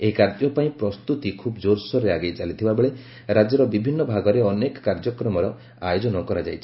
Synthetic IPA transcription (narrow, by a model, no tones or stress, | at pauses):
eikaɾt̪jɔpaĩpɾɔst̪ut̪ikʰubɔd͡ʒoɾsɔɾeaɡejt͡ʃalit̪ʰibabeɭe | ɾad͡ʒɔɾɔbibʱinːɔbʱaɡɔɾeɔnekɔ̥kaɾd͡ʒɔkɾɔmɔɾɔ | ajod͡ʒɔnɔkɔɾad͡ʒajt͡ʃʰi̥